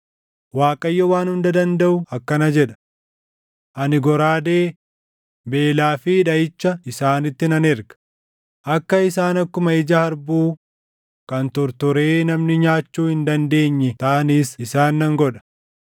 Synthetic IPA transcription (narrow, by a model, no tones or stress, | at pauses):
waːkʼɐjːɔwaːnhʊnd̪ɐd̪ɐnd̪ɐʔʊɐkːɐnɐd͡ʒɛᶑɐ̥ | ʔɐnɪɡɔɾaːd̪eː | be̞ːlaːfɪːᶑɐɪt͡ʃːɐɪsaːnɪt̪ːɪnɐnɛɾɡɐ̥ | ʔɐkːɐɪsaːnɐkːʊmɐɪd͡ʒɐhɐɾbuː | kɐnt̪ɔɾt̪ʊɾeːnɐmnɪɲaːt͡ʃːuːhɪnd̪ɐnd̪e̞ːɲːɛt̪ɐʔɐniːsɪsaːnːɐŋɡɔᶑɐ̥